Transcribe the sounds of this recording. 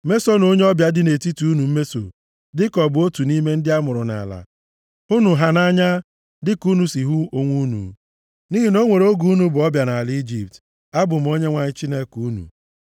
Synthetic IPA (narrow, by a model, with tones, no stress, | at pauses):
me˦so˦no˦ɲe˦ɔ˦bja˦dɪ˦ne˨ti˦tu˨u˦nu˨m̩˦me˦so̰˨ | dɪ˦kɔ˨bʊ˨o˦tu˨ni˦me˦n̩˦dɪ˦a˦mʊ˨ɾʊ˨na̰˨la̰˨ | u˦nu˨ɦa˨na˦ɲa˦ | dɪ˦ku˦nu˨si˨ɦu˦o˦ŋʷu˦nṵ˨ | ni˦ɦi˨no˦ŋʷe˨ɾo˦ɡu˦u˦nu˦bʊ˨ɔ˦bja˨na˨li˦d͡ʒi˨p̚t | a˦bʊ˨m̩˨o˦ɲe˦ŋʷa˨ɲɪ˦t͡ʃi˦ne˦ku˦nṵ˨